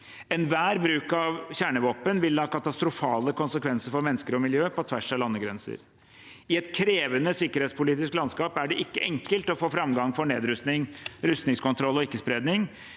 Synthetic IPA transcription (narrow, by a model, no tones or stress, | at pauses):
ɛnʋæːɾbɾʉːkɑʋçæːɳəʋoːpənʋɪlːɑːkɑt̪ɑst̪ɾʊfɑːləkʊnsəkʰʋɛnsəɾfɔɾmɛnːəskəɾɔmɪljøːpɔt̪ʰʋæʂɛlɑnːəɡɾɛnsə̰ɾ | ɪɛt̪kʰɾeːʋənəsɪkːəɾeːtspʊliːt̪ɪsklɑnskɑːpæɖɛʔɪkːəʔɛŋkəlt̪ɔfoːfɾɑmɡɑŋfɔɳeːd̪ɾʉst̪nɪŋɾʉst̪nɪŋskʊnt̪ʰɾɔlːɔɪkːəspɾeːd̪nɪŋ